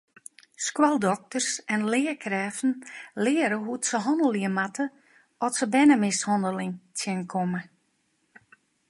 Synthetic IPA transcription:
skwalˠdɔk̚tərsɛnlɪːəkʰrɛːfn̩lɪəɾəɦutsəɦɔndəlˠiəmatʰə | ɔtsəbɛnəmɪshɔndəlɪŋtʰjɪnkʰɔmə

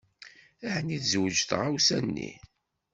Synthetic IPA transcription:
æhniθzwəd͡ʒθʁawsænːḭ

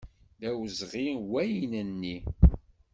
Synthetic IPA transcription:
ðæwzʁiwæjnənːi

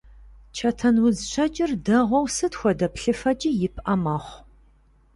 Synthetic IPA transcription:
t͡ʃʰɐtʰɐnwʊzɕʷʰɐd͡ʒʼɪrdɐʁʷɔwsɨtxʷɔdɐpɬɨfɐd͡ʒʼijɪpʰʔɐmɐχʷ

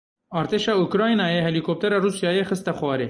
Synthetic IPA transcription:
ɑːɾt̪eʃɑukɾɑːjnɑːjeɦelikop̚t̪ɐɾɑɾusjɑːjexəst̪axwɑːɾe

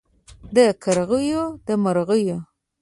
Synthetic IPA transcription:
d̪əkaɾɣəjod̪əmaɾɣəjo

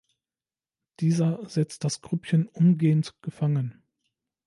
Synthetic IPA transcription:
d̥iːzɐzɛt͡st̚d̥asɡ̥ʁʏpçənʔʊmɡeːəntɡ̥əfaŋən

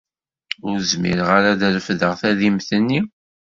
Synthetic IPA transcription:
ʊɾzmḭɾʁaɾaðəlfðəʁθæðimθənːi

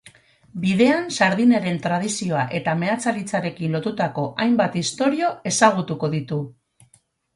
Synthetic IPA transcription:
biðe̞ansaɾð̞ineɾe̞nt̪ɾað̞isio̞aʔe̞t̪ame̞at͡salit͡saɾe̞kinlo̞t̪ut̪ako̞ʔajmbat̪ist̪o̞ɾio̞e̞saɣ̞ut̪uko̞ðit̪u

